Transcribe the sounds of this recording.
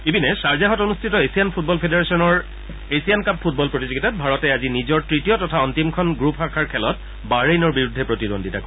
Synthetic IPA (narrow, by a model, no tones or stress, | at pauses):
ebinɛsaɹzaɦɔtonustʰitɔesianpʰut̚bɔlpʰedeɹesiɔnɔɹ | esiankapʰːut̚bɔlpɹotizoɡitabʱaɹɔtɛazinizɔɹtɹitijɔtɔtʰaɔntimkʰɔnɡɹupxakʰaɹkʰɛlɔt | baɹejnɔɹbiɹudʱːɛpɹotidondʱita̰kɔ